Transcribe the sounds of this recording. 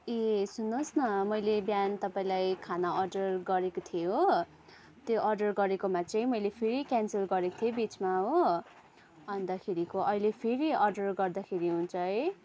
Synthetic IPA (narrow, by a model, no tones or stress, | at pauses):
esunːosnʌmʌjlebjant̪ʌpaĩlajkʰanaʌrɖʌrɡʌɾekot̪ʰijo | t̪joʔʌrɖʌrɡʌɾekomat͡saĩmʌjlepʰeɾikjanselɡʌɾeko̥t̪ʰjobit͡smaɦo | bʱʌnd̪akʰeɾikoʔʌilepʰeɾiʌrɖʌrɡʌrd̪akʰeɾiɦunt͡sʰʌj